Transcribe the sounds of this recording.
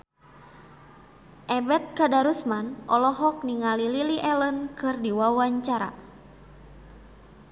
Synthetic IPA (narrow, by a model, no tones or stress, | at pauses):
ʔɛbɛt̪̚kadaɾusmanʔɔlɔɦɔk̚niŋalililiʔɛlənkɨrdiwawaɲt͡ʃaɾa̰